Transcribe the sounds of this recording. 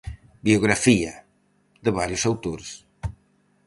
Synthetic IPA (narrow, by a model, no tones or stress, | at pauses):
bioɣɾafiɐ | ðəβaɾjusawt̪oɾs